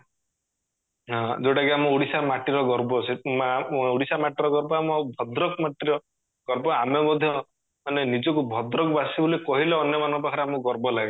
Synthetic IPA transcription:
ɦɔ̃d͡ʒeʈakiamɔuɽisamaʈiɾɔɡɔɾbɔse | uɽisamaʈiɾɔɡɔɾbɔamɔbʱɔd̪ɾɔkɔmaʈiɾɔ | ɡ̥ɔɾbɔamemɔd̪ʱjɔ | manenid͡ʒɔkubʱɔd̪ɾɔkɔbasibulikɔɦileɔnjɔmanɔbakʰaɾeamɔɡɔɾbɔlaɡa

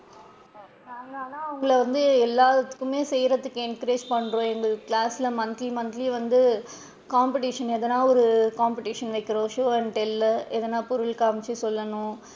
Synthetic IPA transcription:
naːnaːlaːʊŋɡɐɭɐʋɐnd̪ɯɛlːaːðɐt̪ːɯ̥kːɯmeːsɛjɾɐt̪ːɯkːɯɛnkɾeːd͡ʒpɐɳːɾõːɛŋɡɐkɭaːsɪlɐmɐnd̪limɐnd̪liʋɐnd̪ɯ | kaːmpɪʈiʂɐnɛðɐnaːɔɾɯkaːmpɪʈiːʂɐnʋɐɪkːɪɾõːʃoːɐɳʈɛlːɛðɛnːaːpɔɾɯɭkaːmt͡ʃːisɔlːɐnʊ̃

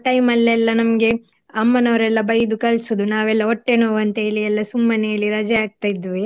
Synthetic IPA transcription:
ʈɐjmɐlːɛlːɐnɐmɐɡe̞ | ɐmːɐnɐʋɐɾɛlːɐbɐjd̪ukɐlsud̪unaːʋɛlːɐoʈːeːnoːʋɐnt̪eliɛlːɐsumːɐnejɐlːiɾɐd͡ʒɐaːɡ̚t̪ajid̪ːiʋi

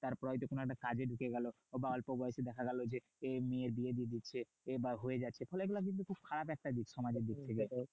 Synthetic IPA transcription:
t̪aɾpɾɔjt̪okonoɛk̚ʈakad͡ʑeɖukeɡɛlo | baɔlpobɔjeʃed̪ɛkʰaɡɛlod͡ʑe | emeeɾbied̪ied̪itːɕʰe | ebaɦoed͡ʑatːɕʰefɔleeɡulak̬int̪ukʰub̚kʰaɾapɛk̚ʈad̪ikʃɔmad͡ʑeɾd̪ik̚t̪ʰek̬e

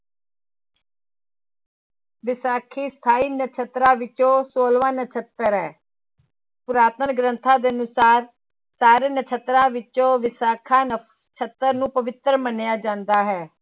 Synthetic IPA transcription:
ʋɪsaːkʰiːst̪ʰaːiːnət͡ʃʰət̪ɾãːʋɪt͡ʃõːsoːlʋãːnət͡ʃʰət̪ːəɾɦɛː | pʊɾaːt̪ənɡɾə̃nt̪ʰãːd̪eːənʊsaːɾ | saːɾeːnət͡ʃʰət̪ɾãːʋɪt͡ʃõːʋɪsaːkʰãːn | t͡ʃʰət̪ːəɾnũːpəʋɪt̪ɾmənjaːd͡ʒãːnd̪aːɦɛː

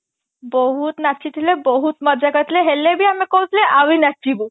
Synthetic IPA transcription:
bɔɦut̪naʃʰit̪ʰilebɔɦut̪məd͡ʒaɡət̪ʰileɦelːebʱiamekoɦut̪ʰileʔawinat͡ʃʰːibu

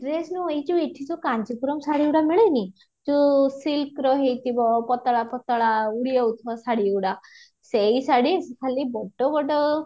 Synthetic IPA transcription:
ʈɾesnuejd͡ʒueʈʰisukand͡ʒikuɾɔmsaɽiuɽamiɭejni | d͡ʒusilkɾɔɦejt̪ʰibɔpɔt̪aɭapɔt̪aɭauɽiɔwt̪ʰɔsaɽiuɽa | sejsaɽiesekʰalibɔɖɔbɔɖɔ

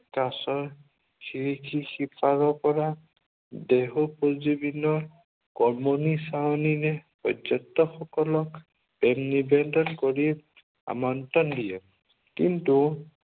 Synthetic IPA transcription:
kasɔɹ | kiɹikʰixipʰaɾɔpɔɹa | deɦupozibinɔɹ | kɔmonisaɔniɾɛpɔdɔtːɔxɔkɔlɔk | b̥ɛmnibɛndɔnkɔɹi | a̰mɔntɔndijɛ | kintu

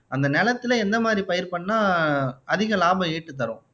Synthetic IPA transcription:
ɐnd̪ɐnɛlɐt̪ːɪlɐɛnd̪ɐmaːd̪ɾipɐjɐɾpɐɳːaːʔɐðɪɣɐlaːbɐeːʈːɯt̪̬ːɐɾʊ̃

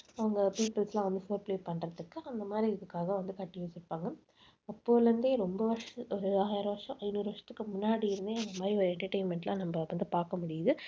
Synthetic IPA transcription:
ɐʋɐŋɡɐpiːpɪlslãːʋɐnd̪ɯfoːɾpleːpɐɳrɐðɯkːɯɐnd̪ɐmaːd̪ɾiɪðɯkːaːɣɐʋɐnd̪ɯkɐʈːɪjuːsɪɾɯpːaːŋɡɐ | ɐpːoːlɐnd̪eːɾɔmbɐʋɐɾʂɐɔɾɯaːjɾɐʋɐɾʂɐ̃ʔɐɪnuːɾɯʋɐɾʂɐ̥t̪ːɯ̥kːɯmʊnːaːɽijɪɾɯnd̪eːɐnd̪ɐmaːɾiɔɾɛɳʈɐɾʈɐɪnmɛɳʈlãːnɐmbɐʋɐnd̪ɯpaːɾkɐmʊɽɪjɐðɯ

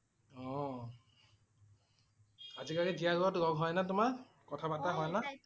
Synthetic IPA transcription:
ɔ̃ | azikaɹidijaɡɔtɡɔɡɦɔjnatʊma | kɔtʰabataɦɔjna

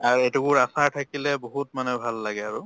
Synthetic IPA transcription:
aɹetukʊɹasaɹtʰakilɛboɦutmanɛbʱalːaɡɛaɹʊ

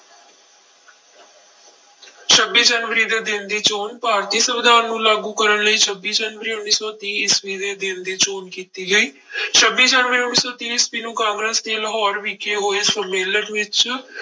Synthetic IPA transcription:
ʃʰəbːiːd͡ʒənʋəɾiːd̪eːd̪ɪnd̪iːt͡ʃoːnpaːɾt̪iːsəʋɪd̪ʱaːɾnũːlaːɡũːkəɾənləiːt͡ʃʰəbːiːd͡ʒənʋəɾiːʊnːiːsɔːt̪iːsʋiːd̪eːd̪ɪnd̪iːt͡ʃoːnkiːt̪iːɡəiː | ʃʰəbiːd͡ʒaːnʋəɾiːʊnːiːsɔːt̪iːsʋiːnũːkãːŋɡɾeːsd̪eːləɦɔːɾʋiːkeːɦoːeːsəmeːlənʋɪt͡ʃ

